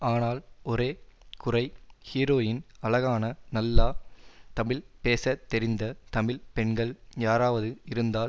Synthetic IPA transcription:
aːnaːlɔɾeːkʊrɐɪhiːɾoːjɪnɐlɐɣaːnɐnɐlːaːt̪ɐmɪlpeːsɐt̪ːɛɾɪnd̪ɐt̪ɐmɪlpɛɳɡɐɭjaːɾaːʋɐðɯɪɾɯnd̪aː

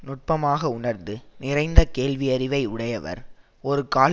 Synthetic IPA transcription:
nʊʈ̚pɐmaːɣɐʊnɐɾnd̪ɯnɪɾɐɪnd̪ɐkeːɭʋɪjɐɾɪʋɐɪʊɽɐjɐʋɐ̰ɾ | ɔɾɯkaːl

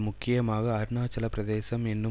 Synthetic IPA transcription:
mʊkːɪjɐmaːɣɐːɾɯnaːt͡ʃːɐlɐpɾɐðeːsɐmɛnːɯ

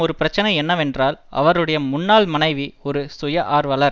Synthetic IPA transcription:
ɔɾɯpɪɾɐt͡ʃːɐnɐɪɛnːɐʋɛndraːlɐ̰ʋɐɾɯɽɐjɐmʊnːaːlmɐnɐɪʋiɔɾɯsʊjɐʔaːɾʋɐlɐɾ

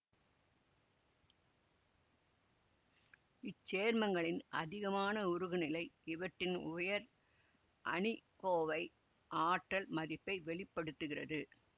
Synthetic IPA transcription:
ɪt͡ʃːeːɾmɐŋɡɐɭɪnʔɐ̰ðɪɣɐmaːnɐʊɾɯɣɯnɪlɐɪɪʋɐʈːɪnʊjɐɾ | ʔɐ̰ɳɪkoːʋɐɪ | ʔaːʈːɐlmɐðɪpːɐɪʋɛɭɪpːɐɽɯt̪ːɯɣɪrɐðɯ

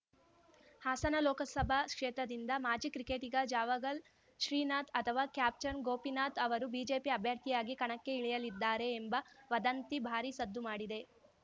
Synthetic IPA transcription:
haːsɐnɐlɔːkɐsɐbʱɐkʂɛːt̪ɾɐd̪ind̪ɐmaːd͡ʒikɾikeːʈiɡɐd͡ʒaːʋɐɡɐl | ʃɾiːnaːt̪ɐt̪ʰɐʋaːkjaːp̚t͡ʃɐnɡoːpinaːt̪ɐʋɐɾubiːd͡ʒe̞ːpiɐbʱjɐɾt̪ʰijaːɡikɐɳɐkːe̞iɭijɐlid̪ːaːɾe̞ːmbɐʋɐd̪ɐnt̪ibʱaːɾisɐd̪ːumaːɽid̪e̞

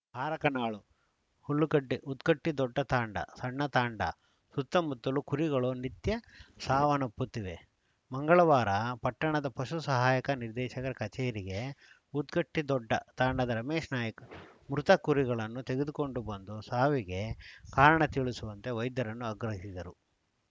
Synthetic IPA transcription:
bʱaːɾɐkɐnaːɭu | huɭːukɐʈːiʔut̪kɐʈːid̪ɔɖːɐt̪aːɳɖɐ̰sɐɳːɐt̪aːɳɖɐ̰ | sut̪ːɐmut̪ːɐlukuɾiɡɐɭunit̪jɐsaːʋɐnɐpːut̪ːiʋe̞ | mɐŋɡɐɭɐʋaːɾɐpɐʈːɐɳɐd̪ɐpɐʃusɐɦaːjɐkɐniɾd̪ɛːʃɐkɐɾɐkɐt͡ʃeːɾiɡe̞ | ut̪kɐʈːid̪ɔɖːɐt̪aːɳɖɐd̪ɐɾɐmeːʂnaːjɐkɐmɾut̪ɐkuɾiɡɐɭɐnːut̪eɡed̪uko̞ɳɖubɐnd̪usaːʋiɡe̞kaːɾɐɳɐt̪iɭusuʋɐnt̪e̞ʋɐjd̪jɐɾɐnːuɐɡɾɐɦisid̪ɐɾu

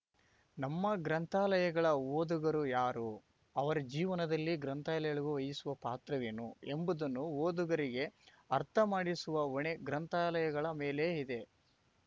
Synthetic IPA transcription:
nɐmːɐɡɾɐnt̪aːlɐjɐɡɐɭɐoːd̪uɡɐɾujaːɾu | ɐʋɐɾɐd͡ʒiːʋɐnɐd̪ɐlːiɡɾɐnt̪aːlɐjɐɭuɡuʋɐjisuʋɐpaːt̪ɾɐʋinue̞mbud̪ɐnːuoːd̪uɡɐɾiɡe̞ | ɐɾt̪ʰɐmaːɽisuʋɐoɳeɡɾɐnt̪aːlɐjɐɡɐɭɐme̞ːle̞ːid̪e̞

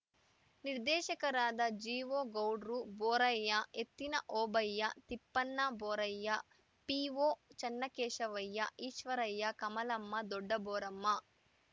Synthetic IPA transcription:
niɾd̪ɛːʃɐkɐɾaːd̪ɐd͡ʒiːʋoːɡɐwɖɾuboːɾɐjːɐet̪ːinɐʔoːbɐjːɐt̪ipːɐnːɐboːɾɐjːɐ | piːʋoːt͡ʃɐnːɐkɛːʃɐʋɐjːɐʔiːʃʋɐɾɐjːɐkɐmɐlɐmːɐd̪ɔɖːɐboːɾɐmːɐ

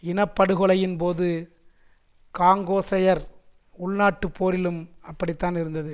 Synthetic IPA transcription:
ɪnɐpːɐɽɯɣɯɭɐjɪnpoːðɯ | kaːŋɡoːsɐjɐɾ | ʊɭnaːʈːɯpʰːoːɾɪlɯmɐpːɐɽɪt̪ːaːnɪɾɯnd̪ɐðɯ

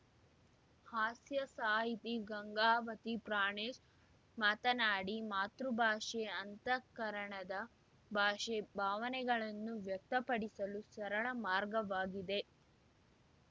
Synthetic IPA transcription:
haːsjɐsaːɦit̪iɡɐŋɡaːʋɐt̪ipɾaːɳeːʃ | mat̪ɐnaːɽimaːt̪ɾubʱaːʂeɐnt̪ɐkɐɾɐɳɐd̪ɐ | bʱaːʃebʱaːʋɐnɛɡɐɭɐnːuʋjɐk̚t̪ɐpɐɽisɐlusɐɾɐɭɐmaːɾɡɐʋaːɡid̪e̞

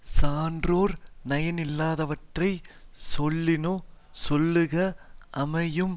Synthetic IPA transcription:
saːndroːɾnɐjɐnɪlːaːðɐʋɐʈrɐɪsɔlːɪnoː | sɔlːɯɣɐʔɐmɐjɯm

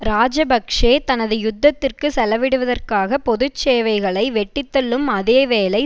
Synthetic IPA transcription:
ɾaːd͡ʒɐbɐkʂeːt̪ɐnɐðɯjʊd̪ːɐt̪ːɪrkɯsɛlɐʋɪɽɯʋɐðɐrkaːɣɐpɔðɯt͡ʃːeːʋɐɪɣɐɭɐɪʋɛʈːɪt̪ːɐlːɯmɐðeːʋeːlɐɪ

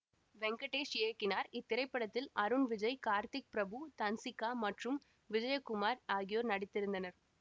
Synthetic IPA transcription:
ʋɛŋɡɐʈːeːʂjeːkːɪnaːɾɪt̪ːɪɾɐɪpːɐɽɐt̪ːɪlɐɾɯnʋɪd͡ʒɐɪkaːɾt̪ɪk̚pɪɾɐbut̪ɐnsɪkːaːmɐʈrɯm | ʋɪd͡ʒɐjɐkːʊmaːɾaːɣɪjoːɾnɐɽɪt̪ːɪɾɯnd̪ɐnɐɾ

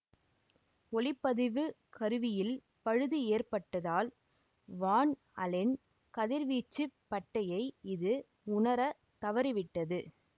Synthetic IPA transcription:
ɔlɪpːɐðɪʋɯ | kɐɾɯʋɪjɪl | pɐɻɯðɯeːrpɐʈːɐðaːl | ʋaːn | ɐlɪn | kɐðɪɾʋiːt͡ʃːɯpːɐʈːɐjɐɪɪðɯ | ʊɳɐɾɐ | t̪ɐʋɐɾɯʋɪʈːɐðɯ

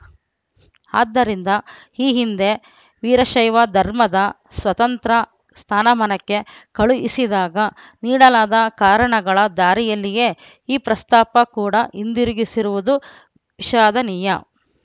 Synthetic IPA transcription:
aːd̪ːɐɾind̪ɐ | iːɦind̪e̞ | ʋiːɾɐʃɐjʋɐd̪ʱɐɾmɐd̪ɐ | sʋɐt̪ɐnt̪ɾɐ | st̪ʰaːnɐmɐnɐkːe̞kɐɭuʔḭsid̪aːɡɐ | niːɽɐlaːd̪ɐkaːɾɐɳɐɡɐɭɐd̪aːɾijɐlːijeː | iːpɾɐst̪aːpɐkuːɽɐʔind̪iɾuɡisiɾuʋud̪u | ʋiʃaːd̪ɐniːjɐ̰

